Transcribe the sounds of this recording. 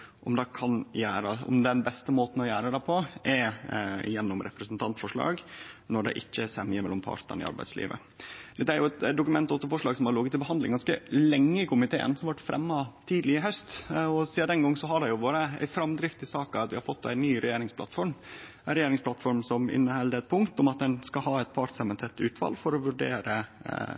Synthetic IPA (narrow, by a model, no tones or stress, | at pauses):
ʔɔmd̪ɑkʰɑnjæːɾəɔ̰md̪ɛnbɛst̪əmoːt̪n̩ɔjæːɾəd̪æpʰɔʔɛɪ̰jɛnːɔmɾɛ̰pɾəsnt̪ʰɑnt̪fɔʂɭɑ̰ːɡnɔɖɛ̰ʔɪçːəsɛmɪəmɛlːɔmpʰɑ̰ɾt̪ə̰nɪ̰ɑ̰ɾbæ̰ɪd̪slḭːʋə̰ | d̪̥ɛt̪ːəæɾjʊɛt̪d̪ʊkʉmɛnt̪ɔt̪ːəfɔʂɭɑːɡsɔmhɑɾlɔɡət̪ːɪlbəɦɑnd̪lɪ̰ŋɡɑnskəlɛŋːəɪkʊmɪt̪ʰḛːə̰nsɔmɑʋɑʈːfɾɛ̰mːɑt̪ʰiːd̪lɪɪɦœst̪ɔsiːɑd̪ɛnɡɔŋːsɔɦɑɖɛjʊʋoːɾəæ̰ɪfɾɑmd̪ɾɪft̪ɪsɑːkɑɑt̪ʋɪhɑɾfɔt̪ːæɪnːyːɾɛjeːɾɪŋspʰlɑ̰t̪fɔɾm | ɾɛjeːɾɪŋspʰlɑt̪fɔɾmsɔmɪ̰nːəhɛld̪əɛt̪̚pʰʊŋkt̪ɔmɑt̪̚d̪ɛnskɑɦɑːɛt̪̚pʰɑɾt̪sɛmənsɛt̪ːʉːt̪ʋɑ̰ːlfɔɾɔʋʉɖḛːɾə